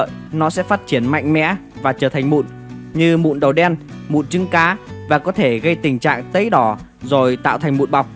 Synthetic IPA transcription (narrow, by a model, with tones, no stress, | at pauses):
ə̰ː˧˨jnɔ˨˦sɛ̰˧˥faː˥t̚t͡ɕi˧˩ənma̰˧˨jŋ̟mɛ̰˧˥vaː˨˩t͡ɕəː˧˩t̪ʰa˨˩jŋ̟mṵ˧˨n | ɲɨ˧mṵ˧˨nɗə˨˩wɗɛ˧nmṵ˧˨nt͡ɕɨ˨˦ŋkaː˨˦vaː˨˩kɔ˨˦t̪ʰe˧˩ɣə˧jt̪ï˨˩ŋ̟t͡ɕa̰ː˧˨ŋt̪ə˨˦jɗɔ˨˧˩ | zo˨˩jt̪a̰ː˧˨wt̪ʰa˨˩ŋ̟mṵ˧˨nɓa˨˩wk͡p̚